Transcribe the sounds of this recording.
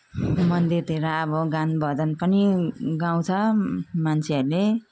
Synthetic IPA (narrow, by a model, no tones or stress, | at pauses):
mʌnd̪irt̪iɾaʌbʌɡanbʌd͡zʌnpʌniɡaw̃t͡sʰʌmant͡sʰeʌɾule